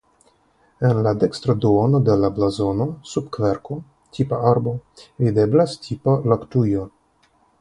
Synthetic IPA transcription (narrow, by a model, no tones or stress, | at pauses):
enlad̪e̞kst̪ɾod̪uono̞d̪e̞lablazo̞no̞subkveɾko | tʰipaaɾbo̞vid̪e̞blastʰipalaktujo